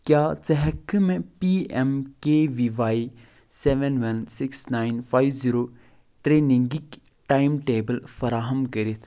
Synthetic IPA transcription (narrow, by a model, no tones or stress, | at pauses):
kjaːt͡sɐɦɐkmẽpiɛmkeːʋiːʋaːi | sɛːʋenʋɐnsiksnaːinfaːjʋziɾoː | ʈɾeːnĩŋɡik | ʈaːimʈeːbəlfɐɾaːɦɐmkəɾit̪ʰ